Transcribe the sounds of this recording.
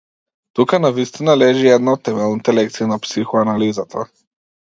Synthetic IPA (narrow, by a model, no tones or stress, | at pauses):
t̪ukanavist̪inalɛʒiɛd̪naot̪ːɛmɛlˠnit̪ɛlɛk̚t̪siinapsixoanalizat̪ʰa